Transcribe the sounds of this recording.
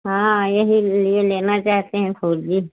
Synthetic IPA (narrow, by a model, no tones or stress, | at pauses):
ɦãːjɐɦilieleːnat͡ʃaːɦt̪eɦɛ̃kʰoːɾd͡ʒiː